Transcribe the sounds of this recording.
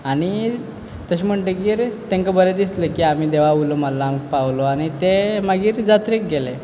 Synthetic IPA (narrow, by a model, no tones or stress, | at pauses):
aɽ̃i | t̪əɕim̤əɳʈəɡiːɾt̪ẽŋkəbəɾed̪islekiːam̤iːd̪eʋaʋuloməlːamkpaʋloañit̪eməɡiːɾd͡zat̪ɾek̚ɡele